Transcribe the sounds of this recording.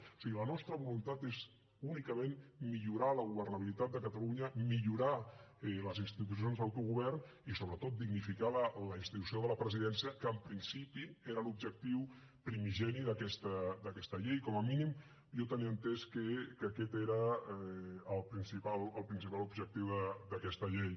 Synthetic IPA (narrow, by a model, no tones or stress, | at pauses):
o̥siɣilənɔst̪ɾəβulunt̪at̪ez | unikəmẽnmiʎuɾaləɣuβərnəβ̞ilit̪at̪̚d̪əkət̪aluɲəmiʎuɾaɛləzinst̪it̪us̬ionzðəwt̪uɣuβɛrn | isoβɾət̪ot̪̚d̪iɡnifikalələinst̪it̪usioðələpɾəziðɛnsiəkəːmpɾinsipieɾəlub̚ʒək̚t̪iw | pɾimiʒɛniðəkɛst̪əd̪əkɛst̪əʎejkɔməminim | ʒot̪əniənt̪eskəkəkɛt̪eɾəː | lˠpɾinsipaləlˠpɾinsipalubʒək̚t̪iwðəd̪əkɛst̪əʎej